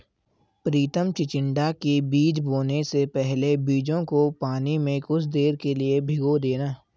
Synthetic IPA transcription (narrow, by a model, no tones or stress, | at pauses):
pɾiːt̪əmt͡ʃɪt͡ʃɪ̃ɳɖakibiːd͡ʒboːnesepɛɦlebiːd͡ʒõkopaːnimẽkʊt͡ʃʰd̪eːɾkeliebʱɪɡod̪eːnaː